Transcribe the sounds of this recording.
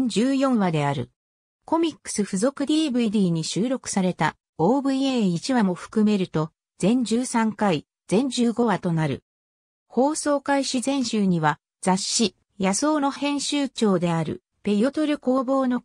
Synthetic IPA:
d͡ʑɨːjõ̞ɰ̃βad̪e̞aɾɯ̟̰ | ko̞mʲikːɯ̥sɨɸɯzo̞kɯ̟d̪ʲiːbɯ̟id̪ʲiːɲ̟iɕɨːɾo̞kɯ̟̥saɾe̞t̪a | oːbɯ̟ieːit͡ɕiβamo̞ɸɯ̟̥kɯme̞ɾɯ̟t̪o̞ | z̥ẽ̞ɲ̟d͡ʑɨːsãŋkai | z̥ẽ̞ɲ̟d͡ʑɨːɡo̞βat̪o̞naɾɯ̟̰ | ho̞ːso̞ːkaiɕizẽ̞ɰ̃ɕɨːɲ̟iβa | d͡z̥aɕːi | jaso̞ːno̞hẽ̞ɰ̃ɕɨːt͡ɕo̞ːd̪e̞aɾɯ̟̰ | pe̞jo̞t̪o̞ɾɯ̟ko̞ːbo̞ːno̞

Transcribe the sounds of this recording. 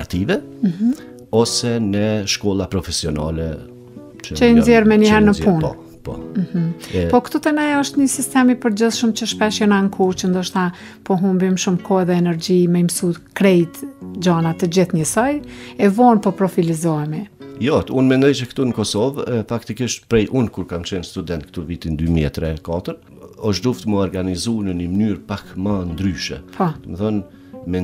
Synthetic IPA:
at̪ivɛ | m̩h̩ | ɔsɛnəʃkɔlˠapɾɔfɛsiɔna̰lɛ̰ | t͡ʃənzjɛɾmɛnihɛɾnəpun | pɔ̰m̩h̩pɔkt̪ut̪ənɛɔʃt̪ɲəsist̪ɛmipəɾd͡ʑəðʃumt͡ɕəʃpɛʃjənaŋkʰut͡ʃənd̪ɔʃt̪a | pɔɦumbimʃumkʰɔɛðɛːnɛɾd͡ʑimɛjmsut̪kɾɛjt̪d͡ʑanat̪əd͡ʑiθɲəsɔjɛvɔnpɔpɾɔfilizɔɛmijɔt̪unmɛnd̪ɔjt͡ʃəkt̪unəkɔsɔvfakt̪ikiʃt̪pɾɛjʔunkuɾkamt͡ʃɛnst̪ud̪ɛnt̪̚kt̪uvit̪ind̪ymiɛ̰t̪ɾɛkat̪əɾ | ɔʃ̬d̪uft̪məɔɾɡanizunənəmnyɾpakmand̪ɾyʃɛ̰pʰɔməθɔn | mɛ

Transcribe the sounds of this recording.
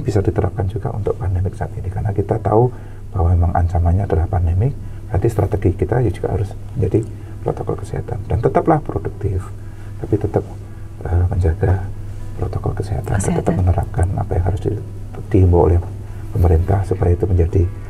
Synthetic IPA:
bisadit̪əɾa̰p̚kand͡ʒuɡa̰ṵnt̪ʊk̚pandemɪksaat̪inikaɾənakit̪at̪au | b̥aɦwamemaŋʔa̰ɲt͡ʃamaɲaːdalahpandemɪk̚ | bəɾadist̪ɾʔat̪eɡikit̪ajad͡ʒuɡ̥a̰ha̰ɾʊs | məɲd͡ʒadi | pɾo̰t̪okɔ̰lkəsiɦa̰t̪andant̪ət̪aplahpɾoduk̚t̪ɪf | t̪apit̪ət̪əp̚ | ʔəməɲd͡ʒaɡapɾot̪okɔ̰lkəsiɦa̰t̪a̰ndat̪ət̪əp̚mənəɾa̰p̚kana̰pajaŋɦaɾʊs | d̥ihimbuo̰lɛh | pəməɾint̪ahsupajait̪uməɲd͡ʒadi

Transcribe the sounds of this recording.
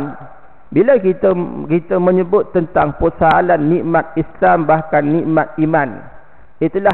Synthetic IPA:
n | bilakit̪əkit̪əmə̃ɲəbʊt̪ːənt̪aŋpəsaalanːĩʔmat̪̚islambahkanːĩʔmãt̪̚imãn | it̪ula

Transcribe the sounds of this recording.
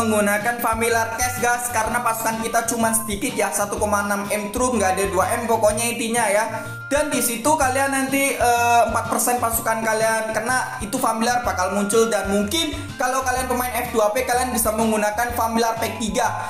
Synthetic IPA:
əŋɡunakanfamilart̪ɛsɡaskaɾənapasu̥kankit̪at͡ʃumansə̥dikɪt̪̚jasat̪ukomaənamɛmt̪ɾuŋɡaːdaduaʔɛmpokoɲait̪iɲaja | d̥andisit̪ukalianːant̪iəːəmpat̪̚pərsɛnpasu̥kankaliankərnait̪ufamilarpakalmuɲt͡ʃʊldanmuŋkɪn | kalawkalianpəmaɪnɛfduapekalianbisaməŋɡunakanfamilarpɛk̚t̪iɡa

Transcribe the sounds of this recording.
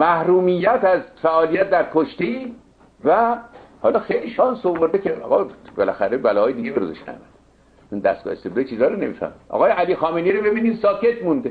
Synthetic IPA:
mæhɾuːmijːæt̪æzfæʔɒːlijæt̪̚d̪æɾkʰoʃt̪eiː | væ | hɒlɒːxejliʃɒːnsoboɾd̪ecʰeɒ̰ːɣɒbelæxæɾebælɒːhɒːjed̪iɡebeɾozoʃnæ̰mæ̰nd̪ | t͡ʃund̪æ̰st̪ɡ̥ɒ̰ːhest̪eblet͡ʃʰiːzɒːɾone̞mifæ̰ɾmid̪ʔɒ̰ɣɒːjeʔæliːxɒːmeniːɾobe̞biːniːd̪sɒːcʰet̪ʰmũnd̪e

